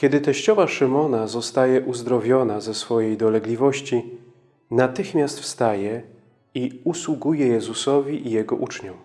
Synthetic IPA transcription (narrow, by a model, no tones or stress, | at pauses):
kʲɛd̪ɘt̪ɛɕt͡ɕɔvaʂɘmɔnazɔst̪ajɛʔuzd̪ɾɔvʲjɔnazɛsfɔjejd̪ɔlɛɡlʲivɔɕt͡ɕi | nat̪ɘxmʲjast̪fst̪ajɛ | iuswuɡujɛjɛzusɔvʲiʔijɛɡɔ̰ʔut͡ʂɲu